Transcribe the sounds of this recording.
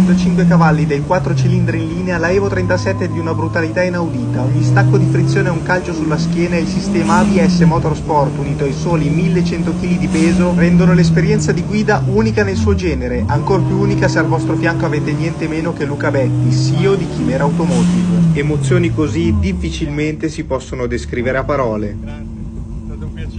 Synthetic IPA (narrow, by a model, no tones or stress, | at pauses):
nt̪ot͡ʃiŋkwekavalːid̪ejkwat̪ːɾot͡ʃilind̪ɾeinliːnealaɛvot̪ɾɛnt̪asɛt̪ːed̪iunabɾut̪alit̪ainawd̪iːt̪aoɲːist̪akːod̪ifɾit̪sːjoːneauŋkalt͡ʃosulːask̟jɛːnaeilsist̪ɛːmabiɛsːemɔt̪orspɔrt̪uniːt̪oajsoːlimilːet͡ʃɛnt̪ok̟iːlid̪ipeːzorɛnd̪onoles̬peɾjɛnt̪sad̪iɡwiːd̪aʔuːnikanelsuːod͡ʒɛːneɾeʔaŋkorpjuuːnikasealvɔst̪ɾofjaŋkoaveːt̪eɲjɛnt̪emeːnok̟elːuːkabɛt̪ːisiːod̪ik̟imɛːɾaːwt̪omɔt̪ivoemot̪sːjoːnikozid̪ifːit͡ʃilment̪esipɔsːonod̪eskɾiːveɾeapːaɾɔːle